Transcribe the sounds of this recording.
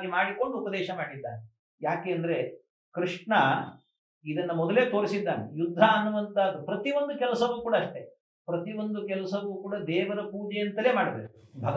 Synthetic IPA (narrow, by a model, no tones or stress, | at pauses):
ɡimaːɽiko̞ɳɖuːpɐd̪ɛːʃɐmaːɽid̪ːa̰ːne | jaːke̞ːɐnd̪ɐɾe̞ | kɾiʂʈɳɐ | id̪ɐnːɐmɔd̪ɐle̞ːt̪o̞ːɾisid̪ːaːnḛjud̪ʱːɐːnːuʋɐnt̪aːd̪ːupɾɐt̪iʋond̪ukɛlɐsɐʋuːkuːɽɐːʂʈe̞ | pɾɐt̪iʋo̞nd̪ukɛlɐsɐʋuːkuːɽɐd̪ɛːʋɐɾɐpuːd͡ʒɛjɐnt̪ɐleːmaːɽɐbḛkubʱɐɡ